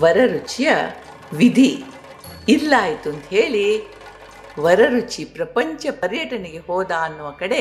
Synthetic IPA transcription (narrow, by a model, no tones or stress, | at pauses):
ʋɐɾɐɾut͡ʃijɐ | ʋid̪ʱiː | lːaːjit̪uɐnt̪ɦeːɭi | ʋɐɾɐɾut͡ʃipɾɐpɐɲt͡ʃɐpɐɾjɐʈɐneɡe̞ɦɔːd̪aːɐnːuʋɐkɐɽe̞